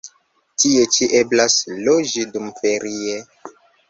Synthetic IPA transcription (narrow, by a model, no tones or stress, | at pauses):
tiet͡ʃiʔeblaslod͡ʒidumfeɾie